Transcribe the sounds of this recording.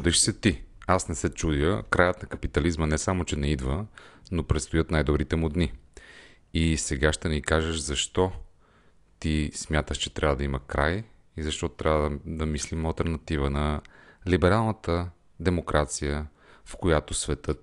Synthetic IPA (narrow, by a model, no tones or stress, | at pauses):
t͡ʃd̪ɛʃsɛt̪iasnɛsɛt͡ʃud̪jəkɾajət̪nɐkɐpit̪ɐlizmənɛsamot͡ʃɛnɛid̪vənopɾɛt̪st̪ʊjɤt̪najd̪obɾit̪ɛmʊd̪ni | isɛɡaʃt̪ɛnikaʒəʃzɐʃt̪ɔ | t̪ismʲjat̪əʃt͡ʃɛ̥t̪ɾʲavəd̪ɐimɐkɾaj | izɐʃt̪ɔt̪ɾʔavəd̪ɐmislimɐlˠt̪ɛɾnɐt̪ivənɐlibɛɾalˠnət̪ə | d̪ɛmokɾʔat̪sijə | fkojat̪osvɛt̪ɤt̪